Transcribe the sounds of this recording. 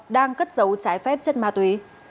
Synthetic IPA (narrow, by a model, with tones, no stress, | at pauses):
ɗaː˧ŋkə˦˥t̚zə˨˦wt͡ɕaː˨˦jfɛ˦˥p̚t͡ɕe˧nmaː˨˩t̪wi˨˦